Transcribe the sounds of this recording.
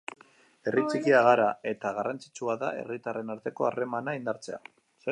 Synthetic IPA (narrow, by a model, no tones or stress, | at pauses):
e̞rit͡sikiaɣaɾae̞t̪aɣarʔant͡si̥t͡ʃuaða̰e̞̰rit̪are̞naɾt̪e̞ko̞are̞manaind̪aɾt͡se̞a̰ | se